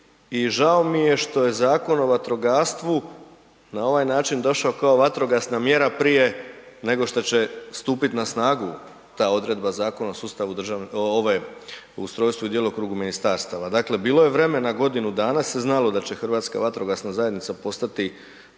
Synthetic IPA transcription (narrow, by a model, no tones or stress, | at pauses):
iʒao̞mije̞ʃt̪o̞je̞zaːko̞no̞ʋat̪ɾo̞ɡaːst̪ʋu | nao̞ʋajnaːt͡ʃind̪o̞ʃaokao̞ʋat̪ɾo̞ɡasnamje̞ɾapɾije̞ | ne̞ɡo̞ʃt̪ot͡ɕe̞st̪uːpit̪nasnaːɡu | t̪aːo̞d̪ɾe̞d̪̚bazaːko̞naosuːst̪aʋud̪rʒaoʋa | ust̪ɾo̞ːjst̪ʋuid̪jelokɾuːɡuminist̪aːɾst̪aʋad̪aːkle̞biːlˠo̞je̞ʋɾe̞me̞naɡo̞d̪inud̪aːnaseznalo̞d̪at͡ɕe̞xrʋaːt̪ska̰ʋat̪ɾoɡasnazaje̞d̪nit̪sapo̞st̪at̪i